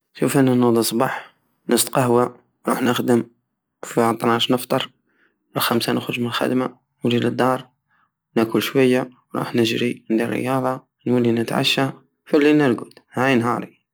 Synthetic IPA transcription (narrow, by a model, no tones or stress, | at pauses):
ʃufənːænəd̪ˤisˤbɑħ | nəst̪qɑhwa | ɾˤṵːħnəxd̪əm | fiʕɑt̪ˤnɑʃnəft̪ˤɑɾˤ | uxamsanəxɾʒmnəlxæ̰d̪ma | wd͡ʒiləd̪ːɑːɾˤ | nakʊlʃwæjːawɾˤṵːħnəʒɾiənd̪irə̰jɑðˤɑ | nwəlːinət̪ʕa̰ʃːa | filːinəɾɡut̪hæjnɦɑɾˤi